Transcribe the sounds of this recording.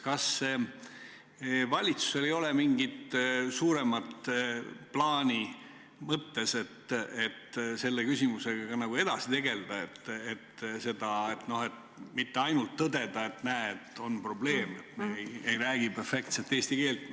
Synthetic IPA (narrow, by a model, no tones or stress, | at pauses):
kɑsːe | vɑlʲit̪su̥se̞lejo̞lemiŋɡit̪suːɾe̞mɑt̪ | plɑːnʲi | mɤt̪ːe̞se̞t̪et̪ːse̞lːekysʲimuse̞ɡ̥ɑɡ̥ɑnɑɡue̞d̪̥ɑsit̪e̞ɡe̞ld̪̥ɑe̞t̪ːet̪se̞d̪̥ɑet̪no̞he̞t̪ | mit̪ːeɑjnult̪ːɤd̪e̞d̪̥ɑe̞t̪næːet̪ːo̞npro̞ble̞ːmet̪meejɾæːɡ̥ipefe̞kt̪selt̪ːeːst̪ike̞ːlt̪